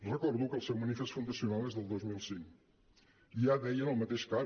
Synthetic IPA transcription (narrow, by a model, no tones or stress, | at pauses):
ʁɨkɔɾðukelˠsẽw̃mɐnifeʃt̪fũnd̪ɐsjunalˠneʒðelˠd̪ojʒmilˠsĩŋku | iaðɛjɐnɐ̃w̃mɐt̪eʃkaɾ